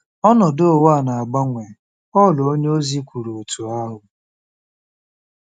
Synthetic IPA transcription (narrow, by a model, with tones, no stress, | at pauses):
ɔ˦nɔ˨do˦o˦˨wa˦˨na˨a˨ɡ͡ba˦ŋʷe˨ | ɔ˦˨lɔ˨o˦ɲe˦o˦zi˦kʷu˨ɾo˨o˨tu˨a˦ɦʊ˨